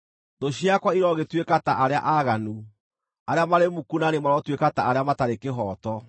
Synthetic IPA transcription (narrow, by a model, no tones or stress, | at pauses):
doɕjakwaiɾɔɣetwekataʔaɾeaʔaɣanu | aɾeamaɾemukunanemaɾɔtwekataaɾeamataɾekeɦɔːtɔ